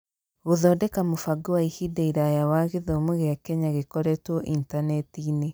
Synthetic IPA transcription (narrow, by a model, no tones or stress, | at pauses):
ɣoðɔːdɛkamofaɡowaihideiɾajawaɣeðomoɣeakɛɲaɣekɔɾɛtwɔʔintanɛtiːne